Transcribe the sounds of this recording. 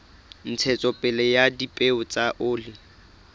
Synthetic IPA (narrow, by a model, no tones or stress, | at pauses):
n̩t͡sʰɛt͡sʼɔpʼɛlɛjadipʼeʊt͡sʼaʔʊːlɪ